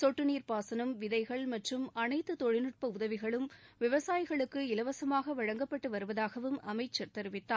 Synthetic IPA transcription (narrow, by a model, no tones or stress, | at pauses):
sɔʈːɯniːɾpaːsɐnɯmʋɪðɐɪɣɐɭmɐʈrɯmɐnɐɪt̪ːɯt̪ɔɻɪnɯʈ̚pɐʊðɐʋɪɣɐɭɯmʋɪʋɐsaːjɪɣɐɭɯkːɯɪlɐʋɐsɐmaːɣɐʋɐɻɐŋɡɐpːɐʈːɯʋɐɾɯʋɐðaːɣɐʋɯmɐmɐɪt͡ʃːɐɾt̪ɐɾɯʋɪt̪ːaː